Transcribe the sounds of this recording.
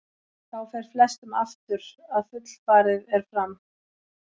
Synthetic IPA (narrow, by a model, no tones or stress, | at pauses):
θawfɛɾ̥flɛst̪ʏmaft̪ʏɾaðfʏt̪l̥faːɾɪðɛɾ̥fɾam